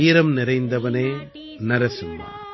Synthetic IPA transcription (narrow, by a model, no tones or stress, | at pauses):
iːɾɐmnɪɾɐɪnd̪ɐʋɐneː | nɐɾɐsɪmːɐ̰